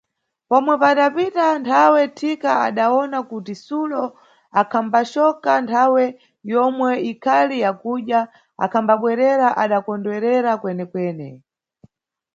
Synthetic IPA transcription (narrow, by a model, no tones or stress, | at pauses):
pɔmwɛpaɗapitantʰawɛtʰikaaɗaɔnakutisulɔ | akʰambat͡ʃɔkantʰawɛ | jɔmwɛikʰalijakuɗja | a̰kʰambaɓwɛɾɛɾaʔaɗakɔndwɛɾɛɾakwɛnɛkwɛːnɛ